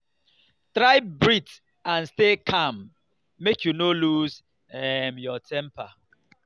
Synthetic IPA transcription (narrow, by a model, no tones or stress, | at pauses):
tɾaɪbɹit | ãnstekʰãmː | ekʰjunoluz | ɛmjɔtʰɛ̃mpa